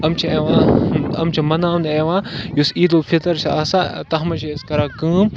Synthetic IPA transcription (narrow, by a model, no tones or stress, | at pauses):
ɐmt͡ʃʰieːʋãːɐ̰mt͡ʃʰimɐnaːneːʋãːjusiːd̪oːfʰit̪ɐɾt͡ʃʰa̰ːsat̪ɐɦmɐt͡ʃʰiɐskɐɾaːkɨ̃ːm